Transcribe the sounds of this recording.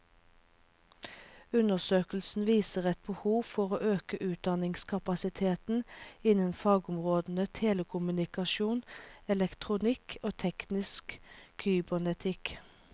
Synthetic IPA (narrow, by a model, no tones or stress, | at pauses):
ʉnəʁsøːkəl̩sn̩ʋiːsəʁɛt̪̚bəhuːfɔʁoːʔøːkəʔʉːt̪̚d̪ɑnɪŋskʰɑpɑsɪt̪ʰeːt̪n̩ɪnənfɑːɡʊmʁoːd̪n̩ət̪ʰeːləkʰʊmʉnɪkɑʃuːnɛlɛkt̪ʰʁʊnɪkʰoːt̪ʰɛknɪskʰyːbənɛt̪ʰɪk